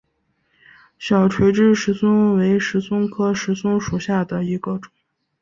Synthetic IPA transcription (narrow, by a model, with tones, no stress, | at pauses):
ɕjɑ˨˩ʊʈ͡ʂʰwe˧˥ɪʈ͡ʂɻ̩˥ʂɻ̩˧˥swʊ˥ŋwe˧˥ɪʂɻ̩˧˥sʊ˥ŋkʰɤ˥ʂɻ̩˧˥sʊ˥ŋʂu˨˩ɕja˥˩d̪ə˩i˧˥ɡə˧ʈ͡ʂʊ˨˩˦ŋ